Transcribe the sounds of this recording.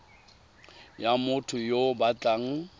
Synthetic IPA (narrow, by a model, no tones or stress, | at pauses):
jamʊtʰʊjobat͡ɬʼaŋ̩